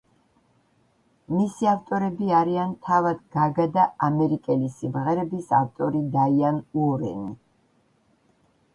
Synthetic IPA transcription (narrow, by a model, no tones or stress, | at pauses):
misiaft̪ʼɔɾɛbiaɾiant̪ʰavad̪ɡaɡad̪aamɛɾikʼɛlisimʁɛɾɛbisaft̪ʼɔɾid̪aianuɔɾɛ̰nḭ